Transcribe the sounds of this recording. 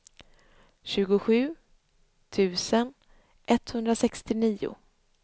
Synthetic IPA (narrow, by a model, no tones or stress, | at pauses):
ɕʉ̟ːɡʊɧʉ̟ː | t̪ʰʉ̟ːsən | ʔɛt̪hɵnd̪ɾasɛkst̪ɪniːʊ̰